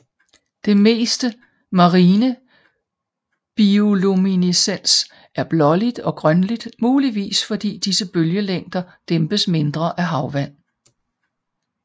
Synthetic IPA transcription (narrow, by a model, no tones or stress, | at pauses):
d̥e̝me̝̰ːsd̥ə | mɑ̈ʁiːnə | b̥iolominisen̰s | æɐb̥lɒ̽lid̥ɒ̽ɡ̥ʁœnlid̥muːliʋḭːsfɒ̽d̥ḭːd̥isəb̥øljəleŋ̰d̥ɐd̥emb̥əsme̝nd̥ʁɐʔæɦɑ̈ʊʋæn̰